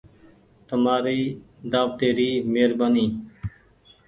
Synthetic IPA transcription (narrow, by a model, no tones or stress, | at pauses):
t̪əmaːɾiː | d̪aːʋt̪eːɾiːmeːɾbaːniː